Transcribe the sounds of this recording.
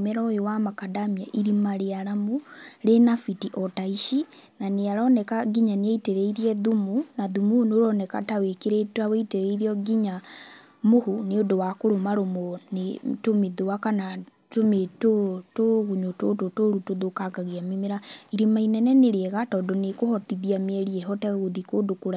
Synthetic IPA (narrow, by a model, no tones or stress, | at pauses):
mɛɾaojowamakadamiaʔiɾimaɾeaɾamuɾenafitiʔɔtaiʃinaneaɾɔnɛkaɡiɲaneeiteɾeiɾiɛðumunaðumunoɾɔnɛka̰tawekeɾetwaweiteɾeiɾiɔɡiɲa | mohuneodowakoɾomaɾomɔnetomeðowakana | tometotoɣuɲotototoɾutoðokaɡaɣeamimeɾaiɾemainɛnɛneɾeɛɣatɔːdɔnekohɔtiðiameɛɾiɛɦɔtɛɣoðikoːdokoɾa